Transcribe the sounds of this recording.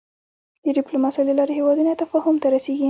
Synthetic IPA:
d̪əɖɪplomɑsɑləlɑɾeɦewɑd̪unat̪afɑhʊmt̪aɾaseɡi

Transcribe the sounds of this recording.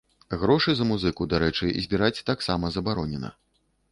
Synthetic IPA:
ɣɾɔʂɨzɐmuzɨkud̪aɾɛt͡ʂɨ̰zʲbʲiɾat͡sʲt̪aksamɐzɐbaɾɔnʲɛnɐ̰

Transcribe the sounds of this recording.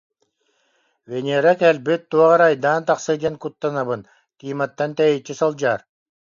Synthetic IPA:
vɛnʲiːɾakɛlbyt̪ːuɔʁɑɾajd̪aːnt̪aqsɯd͡ʒɛnkut̪ːanaβɯn | k̪iːmat̪ːant̪ɛjɛjt͡ʃːisɔlˠd͡ʑaːɾ

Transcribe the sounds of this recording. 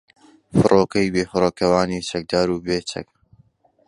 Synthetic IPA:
fɨrʔoːkɐjbeːfɨɾoːkɐwaːnit͡ʃɐk̚d̪aːɾuːbeːt͡ʃɐ̰k

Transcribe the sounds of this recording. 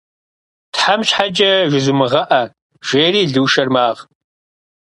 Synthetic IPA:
tħamɕħad͡ʒɐʒʷɪzʊmɨʁɐʔɐ | ʒ̥eːriːɮɨːʃɐrmaːʁ

